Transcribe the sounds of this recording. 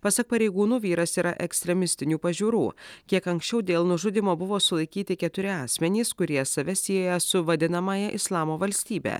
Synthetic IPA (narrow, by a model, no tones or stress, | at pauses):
pɐsɐk̚pɐɾʲɛɪɡuːnuːʋʲiːɾɐsiːɾʔɐ̰ʔɛksʲt̪ʲɾʲɛmʲɪsʲt̪ʲɪnʲuːpɐʒʲuːɾṵːkʲiɛkɐŋksʲt͡ʃʲɛʊd̪ʲeːlˠnʊʒʊd̪ʲɪmoːbʊʋoːsʊlˠɐɪkʲiːt̪ʲɪkʲɛt̪ʊɾʲɪɑːsʲmʲɛnʲiːskʊɾʲiɛsɐʋʲɛsʲiojɛsʊʋɐd̪ʲɪnɐmɑːjɛʔɪslˠɑːmoːʋɐlʲsʲt̪ʲiːbʲḛː